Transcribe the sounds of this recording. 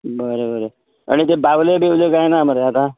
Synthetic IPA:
bəɾebəɾe | a̰ɽ̃it̪̬ebaʋlebʱewlekajnaməɾeɦat̪a

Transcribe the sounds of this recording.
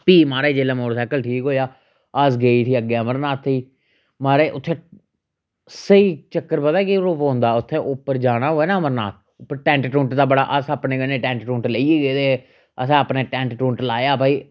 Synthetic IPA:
piːmaːɾeːd͡ʒeːlẽːmoːʈəɾsaːkəlʈʰiːkɦoːjaː | əsɡeːiːʈʰiːəɡːeːəməɾnaːt̪ʰːiː | maːɾeːʔʊt̪ʰːẽː | səiːt͡ʃəkːəɾbəd̪aːkiɾoːpõːnd̪aːʊt̪ʰːeːʔʊpːəɾd͡ʒaːɽaːɦoːeːnaːəməɾna̰ːt̪̚ʰ | ʊpːəɾʈɛ̃ːɳʈʈũːɳʈd̪aːbəɽa̰ːʔəsaːpnẽːɡəneːʈɛ̃ːɳʈʈũːɳʈleieːɡeːd̪e | əsẽːəpneːʈɛ̃ːɳʈʈũːɳʈlaːjaːpaːiː

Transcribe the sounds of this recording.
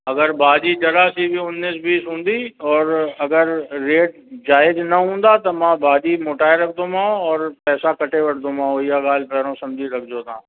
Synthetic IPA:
ɐɡəɾbaːd͡ʒit͡ʃɐɾaːsibʱiʊnːiːsbiːsɦõːnd̪iːɔːɾɐɡəɾːeːʈ | d͡ʒaːɪd͡ʒnɐɦõːnd̪aːt̪ɐmãːbaːd͡ʒiːmoːʈaːeɾɐk̚ʰd̪õmãːõɔːɾpɛːsakəʈʰeʋəɽd̪õmãːõjaɡaːlpɛːɾõsɐmd͡ʒʱiɾɐk̚ʰd͡ʒoːt̪ãː

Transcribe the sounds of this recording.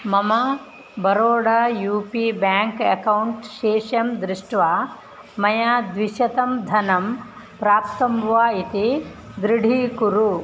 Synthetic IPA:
mɐmɐ | bʱɐɾoːɽɐjuːpiːbjaːŋkekɐwuɳʈʃeːʃjɐmd̪ɾɪʂʈʋaː | mɐjaːd̪ʋiʃɐt̪ɐmd̪ʱɐnɐm | pɾaːpt̪ɐmʋaːit̪id̪ɾɪɽʱiːkuɾu

